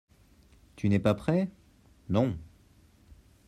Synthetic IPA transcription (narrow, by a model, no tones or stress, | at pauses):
t̪ynɛpapχɛ | nɔ̃